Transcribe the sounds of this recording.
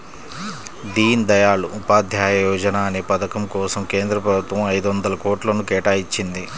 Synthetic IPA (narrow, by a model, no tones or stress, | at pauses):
d̪iːnd̪ɐjaːluʔːpaːd̪ʱjaːjɐjɔːd͡ʒɐnaːɐneːpɐd̪ɐkɐmkɔːsɐmkeːnd̪ɾɐpɾɐbut̪ʋɐmɐjd̪uʋɐnd̪ɐlɐkoːʈlɐnukɛːʈaːjit͡ʃːind̪i